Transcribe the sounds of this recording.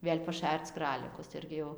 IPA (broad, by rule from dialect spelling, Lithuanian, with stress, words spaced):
ˈʋʲeːlʲ pɐˈʃʲært͡s ˈkrɑːlʲɪkʊs ˈɪrʲɡʲɪ jɛʊ